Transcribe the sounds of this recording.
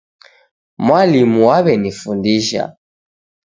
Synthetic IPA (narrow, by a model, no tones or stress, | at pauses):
mwalimuwaβɛnifundiʃa̰